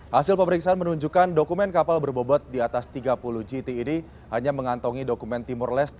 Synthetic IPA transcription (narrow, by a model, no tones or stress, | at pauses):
hasɪlpəməɾiksaanmənuɲd͡ʒukandokumɛnkapalbərbobɔt̪̚diat̪ast̪iɡapuluhd͡ʒit̪iːni | haɲaməŋant̪ɔŋidokumɛnt̪imʊrlɛst̪